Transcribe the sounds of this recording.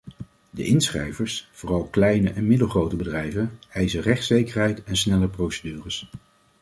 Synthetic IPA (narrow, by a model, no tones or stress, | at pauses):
də̰ʔɪnsχrɛ̰jvəɹsv̥ʊːrɑlˠklɛjnəʔɛnmɪdəlˠχrowtəbədrɛjvənɛjzərɛχtsejkəɹɦɛjtɛnsnɛləprowsədyːrəs